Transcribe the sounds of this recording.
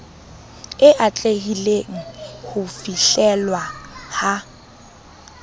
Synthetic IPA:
ɪʔat͡ɬʼeɦileŋ̩hʊfiɬɛlwaha

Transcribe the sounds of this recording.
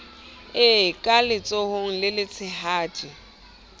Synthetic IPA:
ɪkʼalɪt͡sʼohʊŋ̩lɪlɪt͡sʰɪhaːtʰʼi

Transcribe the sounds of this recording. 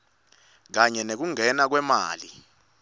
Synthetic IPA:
k̬aɲɛnek̬uŋʱɛnak̬wɛma̰ːli

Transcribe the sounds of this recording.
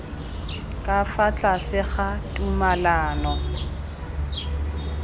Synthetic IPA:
kʼafat͡ɬʼasɪχatʼumalaːnɔ

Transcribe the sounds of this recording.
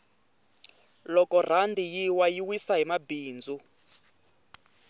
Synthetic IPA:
lɔkɔr̤andijiwajiwisaɦimabiːnd͡zʱu

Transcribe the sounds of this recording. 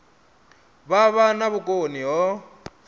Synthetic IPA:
βaβanaβʊkʼoniɦɔ

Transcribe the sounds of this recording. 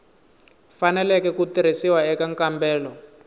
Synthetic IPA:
fanɛlɛkɛkutiɾ̤isiwaɛkaŋkambɛːlɔ

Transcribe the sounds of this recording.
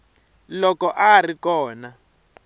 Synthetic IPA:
lɔkɔʔarikɔːna

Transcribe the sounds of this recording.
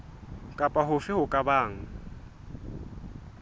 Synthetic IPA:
kʼapʼaɦʊfɪhʊkʼabaːŋ̩

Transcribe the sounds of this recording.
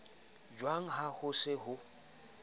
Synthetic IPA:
d͡ʒwaŋ̩hahʊsɪhʊ

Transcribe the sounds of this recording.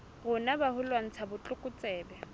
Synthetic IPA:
ɣʊnabahʊlwaŋ̩t͡sʰabʊt͡ɬʼʊkʼʊt͡sʼɛːbɛ

